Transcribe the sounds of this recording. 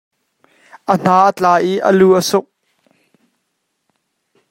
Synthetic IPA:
ʔən̥aːʔət͡ɬaːʔiʔə̰luːʔəsʊk̚

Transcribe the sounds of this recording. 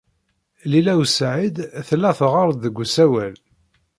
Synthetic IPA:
lilæwsʕid̪θlːæθəʁɑɾˤðəɡʷːsæwæl

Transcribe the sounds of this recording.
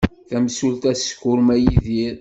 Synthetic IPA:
θæmsult̪æskːʊɾmæjiðiɾ

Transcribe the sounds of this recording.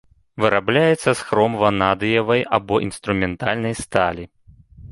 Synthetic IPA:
vɨɾablʲajɛt̪sːɐsxɾɔmvɐnad̪ɨjɐvɐjabɔʔḭnst̪ɾumʲɛnt̪alʲnɐjst̪alʲi

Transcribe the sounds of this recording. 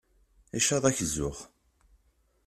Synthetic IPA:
iʃɑðˤæçzːʊʁ

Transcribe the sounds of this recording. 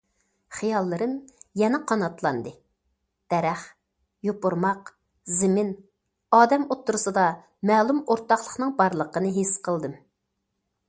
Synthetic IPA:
χijɑlˠːɨɾɨnjɛnɛqʰɑnɑt̪lˠɑ̰nd̪ɨ | d̪̥ɛɾɛχ | jopʊɾmɑq | zɪmɪn | ɑːd̪ɛmot̪ʰːuɾɨsɨd̪ɑ | mɛːlˠumoɾt̪ɑχlˠəχnɨŋbɑɾlˠəqənɨɦesqʰəlˠd̪ɨm

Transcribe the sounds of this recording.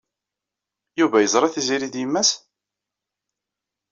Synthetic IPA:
juvæjəzˤɾˤɑθiziɾid̪jəmːæs

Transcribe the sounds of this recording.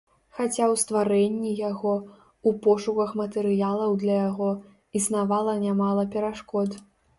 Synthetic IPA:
xat͡sʲawst̪vaɾɛnʲːijaɣɔ | upɔʂukɐxmɐt̪ɛɾɨjalˠɐwd̪lʲɐjaɣɔ | isnavalˠɐnʲamalˠɐpʲɛɾaʂkɔd̪

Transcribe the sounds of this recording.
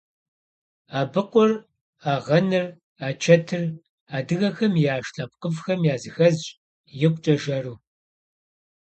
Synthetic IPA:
aːbɨqʷʊr | aːʁɐnɨr | aːt͡ʃʰɐtʰɨr | aːdɨɣɐxɐmjaːʃɬʼɐp̚qəfxɐmjaːzɨxɐzɕʼ | jɪqʷʼt͡ʃʼɐʒɐruː

